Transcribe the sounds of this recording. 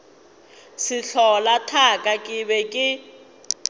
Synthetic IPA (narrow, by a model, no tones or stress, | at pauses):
siɬɔlatʰakʼakʼiβɛkʼɪ